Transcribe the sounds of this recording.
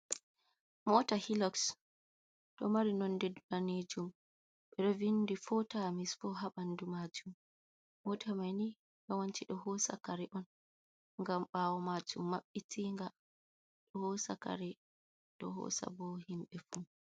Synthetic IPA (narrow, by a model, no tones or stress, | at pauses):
mɔtahilɔks | ɗɔmaɾinɔndɛdlaneːd͡ʒum | ɓɛɗɔvindifɔtamisfɔɦaɓandumad͡ʒumː | ɔtʰamajni | ɓɛwant͡ʃiɗɔɦɔsa̰kaɾɛʔɔn | ŋɡamɓaːwɔmad͡ʒumːaɓːitʰiːŋɡa | ɗɔhɔsa̰ka̰ɾɛ | ɗɔɦɔ̰sa̰bɔhimɓɛfu